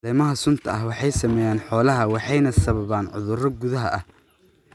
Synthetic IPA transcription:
ɛjmɐɦɐsʊnt̪ʰɐɐhwɑħɑjsɐmɛːjaːnħɔːlɐɦɐwɑħɑjnɐsɐβɐβaːnʕʊ̰ðʊrɔɡʊðɐɦɐʔɐh

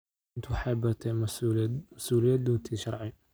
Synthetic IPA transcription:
nt̪ʰwħɑjbɐt̪ʰɛ | mɐsuːlɪjad̪uːnt̪ʰiːʃɑɾˤʕɪ

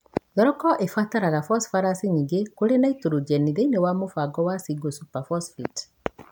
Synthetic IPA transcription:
jɔɾɔkɔʔefataɾaɣafɔsfaɾasiɲiɡekoɾenaitoɾud͡ʒɛniðeinewamofaɡɔwasiɡosupafɔsfit

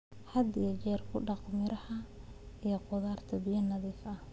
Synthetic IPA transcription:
hɐd̪ijɐt͡ʃɛːrkʰʊɖɑqmɪɾɐhɐ | ʔijɞqʊðaːrt̪ʰɐbɪjɐnɐðiːfɐ

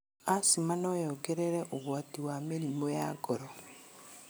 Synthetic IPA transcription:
asimanɔjɔɡeɾeɾɛʔoɣwatiwameɾimojaɡɔɾɔ

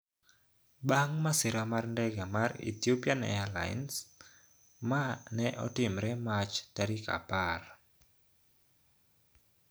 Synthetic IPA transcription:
ɓaŋmasiɾamarndɛɡamarḭt̪iopianɛ̰ala̰j̰ns | manɛʔɔ̰timɾɛmat͡ʃdaɾika̰par

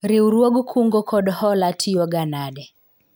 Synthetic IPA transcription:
ɾiuɾwɔɡukʰuŋɡɔkʰɔɗhɔlatʰiɔɡanadɛ

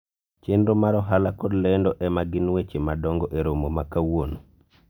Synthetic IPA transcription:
t͡ʃenɾomaɾɔɦalakɔdlɛndɔʔɛmaɡɪnwet͡ʃemadɔŋɡɔʔeɾomomakawon

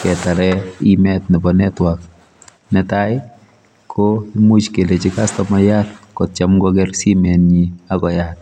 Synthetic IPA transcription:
kɛtaɾɛimɛtnɛbɔnɛtwak̚ | nɛtaj | kʰoimut͡ʃkelet͡ʃɪkastɔmajatkɔt̚t͡ʃamɡɔɡɛrsimɛnɲiakɔjat̚

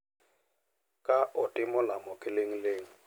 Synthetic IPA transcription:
kʼaʔʊtʼɪmʊlamʊkʼɪleŋ̩leːŋ̩

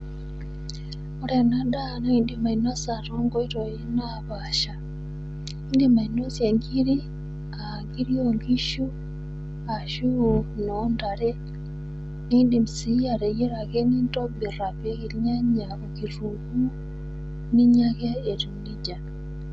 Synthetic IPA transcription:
oɾenadanoindimainosaɾoŋɡoiɾojina | βaʃa | indimainosjeŋɡiɾi | a | ŋɡiɾioŋɡiʃu | aʃunondaɾe | niindimisiaɾejeɾaɣenintoβiraβeɣilɲaɲaokiɾuku | niɲaɣeːtunid͡ʒa

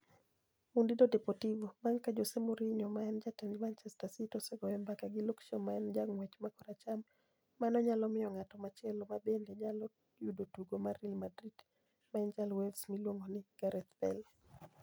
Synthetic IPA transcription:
mundidodepɔtivomaŋkad͡ʒosemoɾiɲɔmaɛnd͡ʒatɛnd͡ʒmant͡ʃɛstasitɔsɛɡɔɛmbakaɡɪlokʃɔmaɛnd͡ʒaŋwɛt͡ʃmakɔɾat͡ʃamː | anɔɲalɔmɪjɔŋatɔmat͡ʃɪɛlɔmabendeɲalɔ | judotuɡomaɾilmadɾid̥ | maɛnd͡ʒalwɛlsmilwoŋɡonɪɡ̥aɾɛt̪bɛl

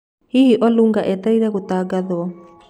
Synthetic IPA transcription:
hihiʔɔluŋɡaʔɛtaiɾɛɣot̪aɡaðɔ

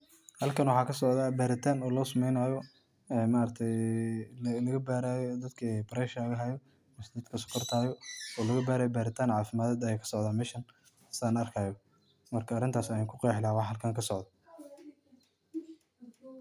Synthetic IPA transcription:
hɐlkʰɐnwɑħɑːkʰɐsɔʕðaːbaːɾɪt̪ʰaːnɔːlɔːsɐmɛjnaːjɔ | ɛːmaːɾɐt̪ʰɛj | lɐɣɐbaːɾaːjɔd̪ɐd̪kʰɐbɐɾɛʃaɣɐɦɐjɔ | mɐsd̪ɐd̪kʰɐsʊ̥kʰɐrt̪ʰaːjɔɔːlɐɣɐbaːɾaːjɔbaːɾɪt̪ʰaːnʕɑːfɪmaːðɛːd̪ɐjɛːkʰɐ̥sɔʕðaːmɛʃɐn | sɪaːnɐrkʰaːjɔ | mɐrkʰɐːrɾɪnt̪ʰaːsɐjaːkʰʊqɛjħlaːwɑhɐlkʰɐŋkʰɐsɔʕd̪ɐ

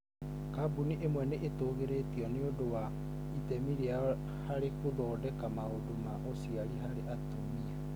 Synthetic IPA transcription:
kabuniʔemwɛneʔetoːɣeɾetiɔneodowa | itɛmiɾia | haɾekudɔːdɛkamaodomaʔosiaɾiɦaɾeʔatomia

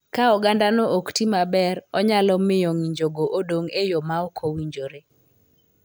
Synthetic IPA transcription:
kaɔɡandanɔʔoktimabɛɾɔɲalɔmɪjɔŋiɲd͡ʒoɡoʔodoŋejɔmaɔkʰowiɲd͡ʒoɾe

